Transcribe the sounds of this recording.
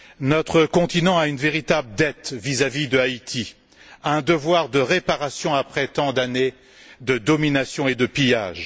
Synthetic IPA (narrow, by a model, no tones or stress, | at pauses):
nɔt̪χəkɔ̃t̪inɑ̃aynveʁit̪abləd̪ɛt̪vizavid̪əait̪ʰi | aɛ̃d̪əvwaʁd̪əʁepaʁasjɔ̃apχɛt̪ɑ̃d̪ane | d̪əd̪ɔminasjɔ̃ed̪əpija̰ːʒ